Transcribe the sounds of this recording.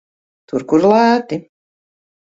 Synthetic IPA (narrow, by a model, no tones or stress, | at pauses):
t̪uɾkuɾlat̪ɪ